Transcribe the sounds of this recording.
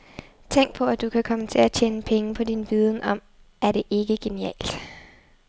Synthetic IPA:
t͡sʰeŋ̰ɡ̥̚pʰɒ̽æd̥ukʰækʰɒ̽mət͡sʰe̝læt͡ɕʰeːnəpʰeŋəpʰɒ̽dinʋiːð̞ˠn̩ʔɒ̽m̰ | ʔæɐɾe̝ʔe̝ɡ̥əɡ̥e̝niɛ̰ːld̥

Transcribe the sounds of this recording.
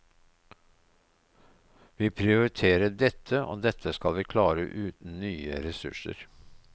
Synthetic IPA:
ʋiːpʰɾɪʊɾɪt̪ʰeːɾəɖɛt̪ʰəʔo̰ːd̪ɛt̪ʰəskɑlʋiːkʰlɑːɾə̰ʔʉːt̪n̩nyːə̰ɾɛsʉ̰ʃə̰ɾ

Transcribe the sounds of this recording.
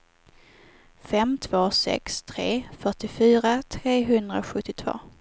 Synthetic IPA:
fɛmt̪ʰvoːsɛ̰kst̪ʰɾeːfœʈɪfyːɾat̪ʰɾeːɦɵnd̪ɾa̰ɧɵt̪ːɪt̪ʰv̥o̰ː

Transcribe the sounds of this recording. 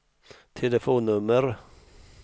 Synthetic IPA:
t̪ʰɛləfoːnːɵmːəɾ

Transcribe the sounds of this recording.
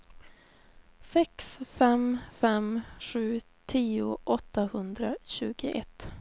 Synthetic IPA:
sɛksfɛmfɛmɧʉ̟ː | t̪ʰiːʊʔɔt̪ːahɵnd̪ɾaɕʉ̟ːɡɪʔɛ̰t̪ː

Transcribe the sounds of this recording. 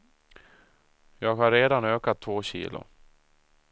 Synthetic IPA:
jɑːɡhaɾːeːd̪anøːkat̪ʰːvoːɕḭːlʊ̰

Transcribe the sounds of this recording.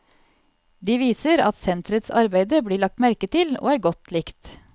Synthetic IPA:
d̪iːʋiːsəɾɑ̰t̪sɛnt̪ɾət̪sɑ̰ɾbæɪd̪əbliːɭɑk̚t̪mæɾkət̪ʰɪlo̰ːæːɾɡɔt̪ʰlɪkt̪

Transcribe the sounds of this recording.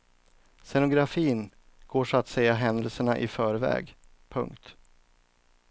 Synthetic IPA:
sɛnʊɡɾafiːn | ɡ̥oːʂɔat̪sɛjːaɦɛnd̪əlsəɳaʔɪfœːɾvɛ̰ːɡpʰɵ̰ŋkt̪

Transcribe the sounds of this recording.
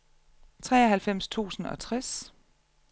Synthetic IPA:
t͡sʰʁɛːɒhælfem̰st͡sʰṵːsn̩ɒ̽t͡sʰʁas

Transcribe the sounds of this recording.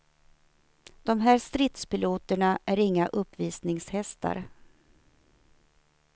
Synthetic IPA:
d̪̥ɔmɦæːɾst̪ɾɪt̪spɪluːt̪əɳaʔæɾɪŋːaʔɵpːviːsnɪŋshɛst̪ʰa̰ɾ

